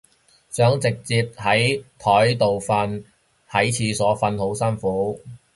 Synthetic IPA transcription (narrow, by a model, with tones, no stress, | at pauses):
sœː˨˥ŋt͡sɪ˨k̚t͡siː˧p̚hɐ˨˥jt̪ʰɔː˨˥jt̪o˨wfɐ˧n | hɐ˨˥jt͡sʰiː˨˧sɔː˨˥fɐ˧nho˨˥wsɐ˥nfuː˨˥